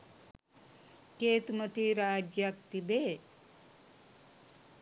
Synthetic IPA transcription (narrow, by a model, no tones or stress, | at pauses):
keːt̪umɐt̪iɾaːd͡ʒjak̚t̪ibeː